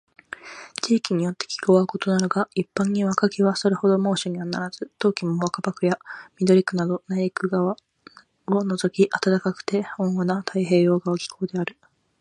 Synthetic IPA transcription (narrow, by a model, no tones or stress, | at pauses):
t͡ɕiːkʲiɲ̟ijo̞t̪ːe̞̥kʲi̥ɡoβaɯko̞t̪o̞naɾoɡaipːãɲ̟ːiβakakʲiβaso̞ɾe̞ho̞d̪o̞mo̞ːɕoɲ̟ianaɾaz̥ɨt̪o̞ːkʲimoβakabakɯ̟jamʲid̪o̞ɾʲikɯ̟nad̪o̞naikɯ̟ɡaβa | ono̞zo̞kʲiʔat̪at̪akakɯ̟̥t̪e̞hõ̞ɰ̃anat̪ʰaiɦe̞ːjo̞ːɡaokʲi̥kʰo̞ːd̪e̞aɾɯ̟